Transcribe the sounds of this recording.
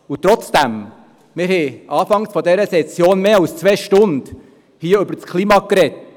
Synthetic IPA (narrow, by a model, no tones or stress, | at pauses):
ʊt̪ɾɔt͡sd̥æm | mɪɾhɛʔɑːfɑŋsfɔdɛɾəsɛt͡sjoːnmeːɑlst͡sʋɛːʃtʊnd̥ | hiːəʏbəɾt͡skʰliːmɑkɾɛt